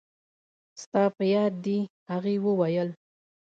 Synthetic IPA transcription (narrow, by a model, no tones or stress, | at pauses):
st̪ɑpəjɑd̪ːihaɣewəwajəl